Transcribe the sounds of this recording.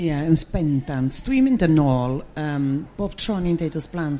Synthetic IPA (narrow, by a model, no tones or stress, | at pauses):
jɛənspɛndantð̥wiːmɪ̃ndənɔːlˠəːmb̥oːb̥tʰɹɔnindedɔsb̥lˠan